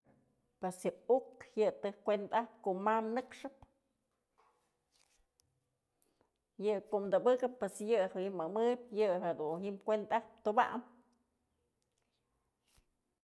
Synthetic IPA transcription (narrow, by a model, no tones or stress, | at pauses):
pwesjɨukjɨt̪ɨhkʷent̪ahp̚koʔmamnɨkʂɨp̚ | jɨkoʔmd̪ɨbɨkɨpːwesjɨhɨimɨmɨjp̚jɨɦed̪unhimkʷent̪ahp̚t̪uba̰ʔm